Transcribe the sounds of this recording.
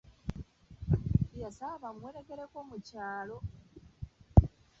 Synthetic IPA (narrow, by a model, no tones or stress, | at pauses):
jasaβamweːɾeke̞ɾekoːmucaːlo̞